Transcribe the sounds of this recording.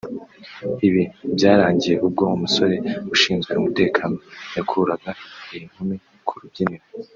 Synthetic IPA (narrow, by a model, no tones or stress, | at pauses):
iβinbjaːɾaːɲɟije̞ʔub̚ɡo̞umuso̞ɾe̞uʃiːŋɡaɾumute̞ːkʰaːnojakʰuɾaɡaijiŋ̥humi | kʰuɾubɟiniɾo